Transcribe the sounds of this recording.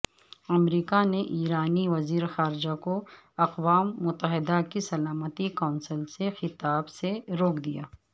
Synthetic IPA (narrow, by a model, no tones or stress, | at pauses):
ɐmɾiːkaneʔiːɾaːniʋɐziːɾxaːɾɪd͡ʒako | ɐqʋaːmːʊt̪əɦɪd̪akisɐlaːmət̪ikaːnsəlsexɪt̪aːbseɾoːkʰd̪ija̰ː